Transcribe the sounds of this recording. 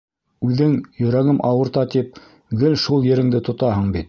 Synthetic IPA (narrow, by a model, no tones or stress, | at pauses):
ʉðɘŋjɵ̆ɾæɡɘmʔɑwɤ̆ɾt̪ɑt̪ip̚ | ɡɘlʃulˠjɘ̆ɾɘ̆ŋd̪ɘt̪ŏt̪ɑɦɤɴbit̪̚